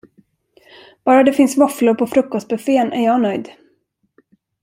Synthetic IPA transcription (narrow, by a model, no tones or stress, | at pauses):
b̥ɑːɾad̪ɛfɪnsvaflʊɾpʰɔfɾɵkːɔst̪̚bɵfeːənʔæ̰ɾjɑːnœjd̪